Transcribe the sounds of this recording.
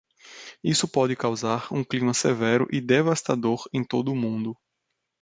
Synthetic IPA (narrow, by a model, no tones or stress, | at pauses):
isʊpɔd͡ʒɪkawzaɾũklĩmɐsevɛɾʊ̰ʔɪd̪evast̪ad̪oɾẽj̃t̪od̪ʊːmũnd̪ʊ